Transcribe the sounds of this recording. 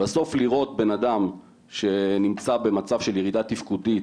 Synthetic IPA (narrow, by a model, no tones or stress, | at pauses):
baso̞fliʁo̞t̪̚be̞nad̪am | ʃe̞nimt͡sabe̞mat͡savʃe̞ljeʁid̪at̪ifkudit